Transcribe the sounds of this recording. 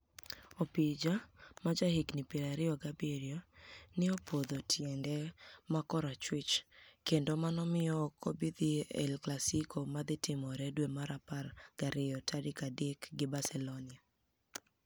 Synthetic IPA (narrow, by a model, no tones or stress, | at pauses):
opid͡ʒamad͡ʒahiknɪpeɾaɾɪɔɡabeɾjonɪopʰod̪otʰjɛŋɡɛmakɔɾat͡ʃwɪt͡ʃkendomanɔmɪjɔːkʰɔbid̪iɛ̰lklasikʰomad̪ɪtɪmɔɾɛdwemaɾaparɡ̥aɾɪjɔtʰadɪkadekɡɪbasɛlonɪa